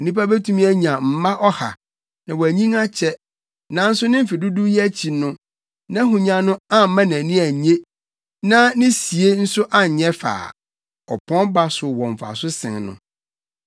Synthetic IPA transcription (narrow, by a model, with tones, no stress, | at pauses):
nĩ˦pa˦be˦tʰũ˦mĩ˦æ˦ɲ˨ã˨m̩˨mã˦ʔɔ˦ha̰˨ | nã˨wɔ˨æ˨ɲĩ˦ŋa˦t͡ɕʰɛ˦ | nã˨˦n̩˦sʊ˦nɪ̃˦m̩˦fi˨du˦du˦jɛ˦æ˦t͡ɕʰi˨nʊ̃˦ | nã˦ɦũ˨ɲã˦nʊ̃˦ã˦m̩˨˦mã˦næ̃˨nĩ˦æ˨ɲẽ˦ | nã˦nɪ̃˦si˨e˦n̩˦sʊ˦ʔa˦˨ɲɛ˦fa̰ː˨ | ɔ̰˨pʰɔ̃˦nba˦sʊ˨wɔ̃˨ɱ̩˨fa̰˨sʊ˦sɪ̰̃˨ŋnʊ̰̃˨